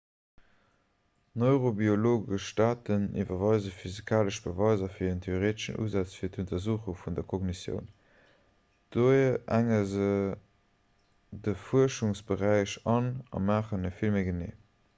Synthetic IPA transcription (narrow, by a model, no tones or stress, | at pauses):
noʏʁobioloːɡəʃtaːtənḭvɐvɑɪzəfyzikʰaːləʃb̥əvɑɪzɐfiːɐəntʰeoʁeːtəʃə̰nʔṵːzat͡sfiːɐtʰuntɐzuːχuŋfundɐkʰoɡnisjə̰ʊn | d̥uʔæŋəzə | dəfuəɐʃuŋsb̥əʁæɪʃɑnɑ̰maːχənəfilmeɪɡənḛː